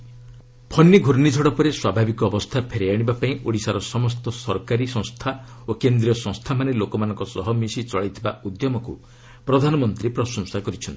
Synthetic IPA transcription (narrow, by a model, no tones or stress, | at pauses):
pʰɔnːiɡʱuɾnid͡ʒʱɔɽɔpɔɾeswabʱabikɔːbɔst̪ʰapʰeɾejaɽ̃ibapaĩʔoɽisaɾɔsɔmɔst̪ɔsɔɾkaɾisɔ̃ŋ̃st̪ʰaokend̪ɾiɔsɔ̃ŋst̪ʰamanelokɔmanɔ̃ŋkɔsɔɦɔmisit͡ʃɔɭajt̪ʰiba̰ud̪jɔmɔku | pɾɔd̪ʱanɔmɔnt̪ɾipɾɔsɔ̃nsakɔɾit͡ʃʰɔnt̪i̥